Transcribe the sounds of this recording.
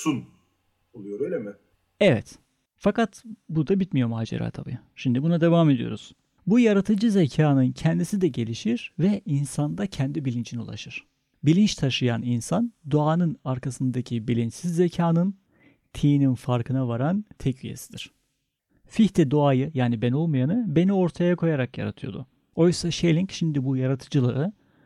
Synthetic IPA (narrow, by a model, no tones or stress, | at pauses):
sun | olˠujoɾøjlʲemɪ | ɛvɛt̪ | fakat̪bud̪abit̪mijo̞maːd͡ʒḛɾa̰ːt̪ʰa̰bḭ | ʃimd̪ibunad̪e̞vaːme̞d̪ijo̞̰ɾuz̥ | bujaɾat̪ʰɯd͡ʒɯzecʰaːnɯncʰɛnd̪isid̪ɛɟe̞lʲiʃiɾvɛʔinsand̪acʰɛnd̪ibilʲint͡ʃʰinulˠa̰ʃɯɾ̥ | bilʲint͡ʃt̪ʰaʃɯjaninsand̪oaːnɯnaɾkasɯnd̪acʰibilʲint͡ʃsizːecʰaːnɯn | t̪ʰijninfaɾkʰɯnavaɾant̪ʰɛcvijḛsid̪iɾ̥ | fiçt̪ʰɛd̪oajɯjaːnibeno̞lˠmajanɯbe̞nio̞ɾt̪ʰajakʰo̞jaɾakja̰ɾa̰t̪ʰɯjo̞d̪ʊ̰ | o̞jsaʃelʲiɲcʃimd̪ibujaɾat̪ʰɯd͡ʒɯlˠaɾɯ